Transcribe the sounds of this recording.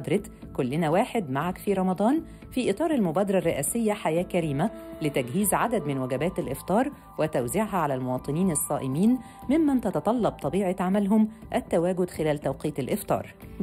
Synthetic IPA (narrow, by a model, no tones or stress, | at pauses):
d̪ɾˤɑt̪ | kʊlːɪnæwaːħed̪maʕakfiːɾˤɑmɑd̪ˤɑːn | fiːʔɨt̪ˤɑːɾˤalmʊbæːd̪ɑɾˤɑrˤːeʔæːsɪjːæħajæːkæɾiːmælɪt̪æɡɦiːzʕad̪æd̪mɪnwæɡæbæːt̪ælʔɪft̪ˤɑːɾˤ | wɪt̪æwziʕɦæʕalælmʊwɑːt̪ˤɨniːnɑsˤːɑːʔɪmiːn | mɪmːænt̪ɑt̪ɑt̪ˤɑlːɑb̚t̪ˤɑbiːʕeʕamælɦʊmʔæt̪ːæwæːɡʊd̪xɪlæːlt̪æwqiːt̪ɪlʔɪft̪ˤɑ̰ːɾˤ